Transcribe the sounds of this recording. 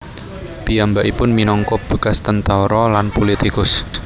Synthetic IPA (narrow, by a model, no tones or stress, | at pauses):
piambaʔipʊnminɔŋkɔb̥əkast̪ənt̪aɾɔlanpolit̪ikʊs